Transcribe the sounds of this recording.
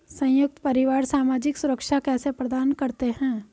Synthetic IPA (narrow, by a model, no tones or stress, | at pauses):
sɐ̃jʊk̚t̪pɐɾɪʋaːɾsaːmaːd͡ʒɪksʊɾəkʃakɛːsepɾəd̪aːnkɐɾt̪eɦɛ̃ː